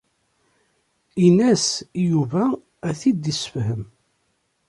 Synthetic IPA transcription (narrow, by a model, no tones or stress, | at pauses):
inæsjuvæː | θid̪isəfɦəm